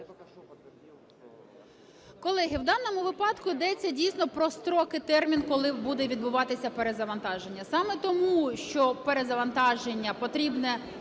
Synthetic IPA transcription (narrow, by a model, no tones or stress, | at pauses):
kɔlˠɛɦɪwd̪ɑnːɔmʊʋɪpɑd̪kʊid̪ɛt͡sʲːɐdʲijsʲnɔpɾɔst̪ɾɔkɪt̪ɛrmʲinkɔlˠɪbud̪ɛʋʲid̪bʊʋɑt̪ɪsʲɐpeɾezɐʋɐnt̪ɑʒe̞nʲːɐsɑmɛt̪ɔmuʃt͡ʃɔpeɾezɐʋɐnt̪ɑʒenʲːɐpɔt̪ɾʲibnɛ